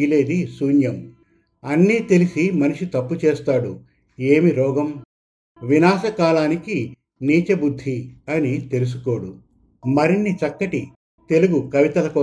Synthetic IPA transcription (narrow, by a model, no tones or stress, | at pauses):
ile̞ːd̪isuːnjɐm | ɐnːiːt̪e̞lisimɐnuʂit̪ɐpːut͡ʃeːst̪aːɽu | eːmiɾɔːɡɐm | ʋinaːsɐkaːlaːniki | niːt͡ʃɐbud̪ʱːiɐnit̪e̞lus̬uko̞ːɽu | mɐɾinːit͡ʃɐkːɐʈi | t̪e̞luɡukɐʋit̪ɐlɐkɔː